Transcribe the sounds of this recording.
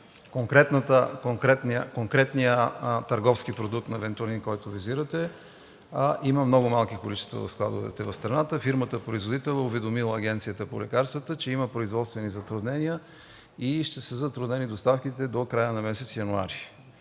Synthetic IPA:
koŋkɾɛt̪nət̪əkokɾɛt̪nkoŋkɾɛt̪nijət̪ɐɾɡɔfskipɾod̪ukt̪nɐɛvɛnt̪uɐninkɔjt̪ʊviziɾət̪ɛ | ʔimɐmnɔɡʊmalˠkikolit͡ʃɛ̥st̪və̰vɐ̰fsklˠa̰d̪ʊvɛ̰t̪ɛvɐfst̪ɾɐnat̪əfiɾmət̪əpɾoizvod̪it̪ɛlˠnəʊvɛd̪omilˠəːɡ̟ʲɛnt̪sijət̪əpo̰lɛkaɾst̪vət̪ət͡ʃɛiməpɾoizvɔt̪st̪vɛnizɐt̪ɾʊd̪nɛnijə | iʃt̪ɛsəzɐt̪ɾʊd̪nɛnid̪ost̪afkit̪ɛd̪okɾajənɐmɛsɛt̪sijɐnua̰ɾi

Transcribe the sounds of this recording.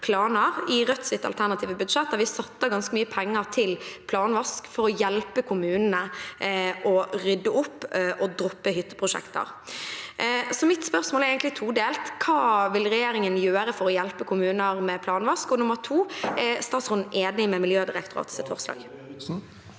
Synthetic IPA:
pʰlɑːnəɾɪɾœt̪sɪt̪ːɑ̰lt̪ʰæʁnɑt̪ʰiːʋəbʉd̪ʂɛt̪̚d̪æʋɪsɑt̪ːəɡɑnskəmyːəpʰɛŋːəʁt̪ʰɪlpʰlɑːnʋɑskfɔɾɔjɛlpəkʰʊmʉːnənə | ʔɔɾʏd̪ːəʊpːʔɔd̪ɾʊpːəɦʏt̪ːə̥pʰʁʊʂɛ̰kt̪ə̰ɾ | sɔmɪt̪spœɾsmoːlɛɾeɡənt̪lɪt̪ʰuːd̪eːlt̪kʰɑːʋɪlɾɛjeːɾɪŋənjøːɾəfɔɾɔjɛlpəkʰʊmʉːnəʁmɛpʰlɑːnʋɑskɔnʊməʁt̪ʰuːst̪ɑːt̪sʁʊnn̩ʔeːd̪nɪmɛmɪljøːd̪ɪɾɛkt̪ʊɾɑ̰ːt̪sɛt̪fɔ̰ʁslɑ̰ːɡ

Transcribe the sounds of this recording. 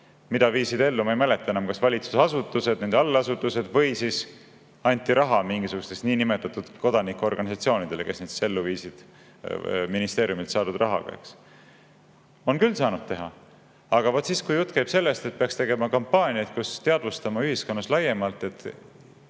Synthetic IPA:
mid̪̥ɑviːsid̪e̞lːumɑejmæle̞t̪ːˑɑe̞nɑmkɑsvɑlʲit̪susɑsut̪ːˑuse̞d̪nend̪ɑlːɑsut̪ːˑuse̞d̪̥vɤ̞jsis | ɑnʲt̪ʲːˑiɾɑɦɑmiŋɡisuɡ̥u̥st̪e̞sniːnime̞t̪ːˑɑt̪ːud̪̥ko̞d̪̥ɑnikːˑuo̞rɡ̥ɑnʲisɑt̪sio̞ːnid̪̥e̞lekesned̪si̥se̞lːuviːsid̪̥ | minist̪e̞ːɾiumilt̪sɑːd̪ud̪̥rʔɑɦɑ̰ɡ̥ɑ̰ḛks | o̞nkylːsɑːnud̪̥̚t̪e̞ɦɑ | ɑɡ̥ɑvot̪ːˑsiːskujut̪ːˑkæjb̥se̞lːe̞st̪e̞t̪̚peɑkst̪e̞ɡe̞mɑkɑmpːɑːnʲiɑjt̪̚kust̪eɑd̪vust̪ɑmɑyhiskonːɑslɑje̞mɑlt̪ːˑe̞t̪ː

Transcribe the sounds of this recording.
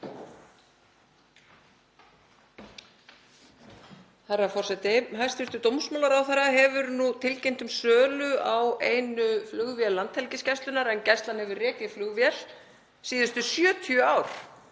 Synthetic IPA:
θaɾːafɔrsɛt̪ɪɦajrst̪fɪɾt̪ʏt̪owmsmawlaɾawθɛɾaɦɛvʏɾnut̪ʰɪlcejnt̪ʏmsœːlʏaweːjnʏflʏɣvjɛlːant̪hɛlcɪscɛjst̪ʏnaɾɛncɛst̪lanhɛvʏrɛːcɪðflʏɣvjɛl̥ | siːðʏst̪ʏsjœːt̪ʰjœaːwɾ̥

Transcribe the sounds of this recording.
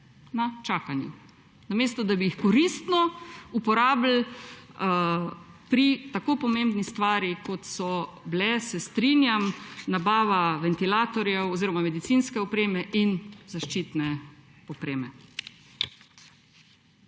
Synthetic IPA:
nat͡ʃaːkanjṵ | nameːst̪ɔd̪abijixkɔɾist̪nɔupɔɾaːbl̩ | pɾit̪akoːpɔmembnist̪ʋaːɾjikɔt̪sɔblɛsɛst̪ɾinjamnabaːʋaʋɛnt̪ilaːt̪ɔɾjɛwɔziːɾɔmamɛd̪it̪sinskɛɔpɾeːmɛʔinzaʃt͡ʃiːt̪nɛ | ɔpɾeːmɛ

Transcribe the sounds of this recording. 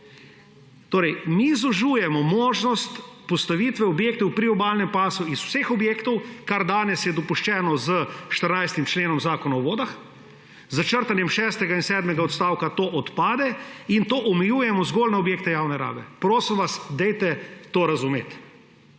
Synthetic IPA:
t̪oːɾɛjmizɔʒuːjɛmɔmoːʒnɔst̪pɔst̪aʋiːt̪ʋɛɔbjeːkt̪ɛwpɾiɔbaːlnɛmpaːsuisw̥sexɔbjeːkt̪ɔwkaɾd̪aːnɛsjɛd̪ɔpuʃt͡ʃɛːnɔzəʃt̪əɾnajst̪imt͡ʃleːnɔmzaːkɔnaɔʋoːd̪ax | zat͡ʃəɾt̪anjɛmʃɛːst̪ɛɡainsɛːd̪mɛɡaɔt̪st̪aːwkat̪oːʔɔt̪paːd̪ɛint̪oːʔɔmɛjuːjɛmɔzɡoːlnaɔbjeːk̚t̪ɛjaːwnɛɾa̰ːbɛpɾoːsimʋasd̪ɛjt̪ɛt̪oːɾazumḛːt̪

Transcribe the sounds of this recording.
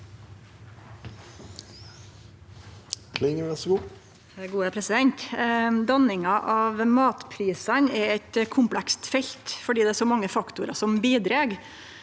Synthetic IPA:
kʰlɪŋəɛsɡuː | ɡuːəpʰɾɛsɪd̪ɛnt̪d̪ɑnɪŋɑʔɑːʋmɑːt̪pʰɾiːsɑnɛɾɛɪt̪kʰʊmplækst̪fɛʎt̪fɔɖiːd̪ɛæɾsɔmɑŋːəfɑkt̪ʊɾɑ̰sɔmbiːd̪ɾeːɡ

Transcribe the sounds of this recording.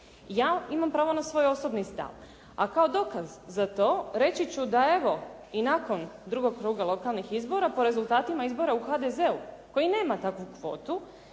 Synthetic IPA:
jaːimampɾaːʋo̞nasʋo̞ːjo̞so̞bnist̪a̰ʋ | a̰kao̞d̪o̞kazːat̪o̞ːɾe̞t͡ɕit͡ɕud̪ae̞ʋo̞ | inako̞nd̪ɾuɡo̞ɡ̚kɾuːɡalˠo̞kalˠnixizbo̞ɾapo̞ɾe̞zulˠt̪aːt̪imaizbo̞ɾauxad̪eze̞uko̞jine̞ːmat̪akʋukʋo̞̰ːt̪u

